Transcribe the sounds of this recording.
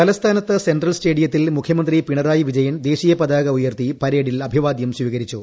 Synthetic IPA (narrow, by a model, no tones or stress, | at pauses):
kɐlɐst̪ʰaːnɐt̪ːɨsenɖrɐlsʈe̞ːɽijɐt̪̬ːilmukʰjɐmɐnd̪ripiɳɐɾaːjiʋid͡ʑɐjɐnd̪e̞ːɕiːjɐpɐd̪aːɣɐujɐrt̪ipɐɾeːɽilɐbʱiʋaːd̪jɐmsʋiːɣɐɾit͡ɕːu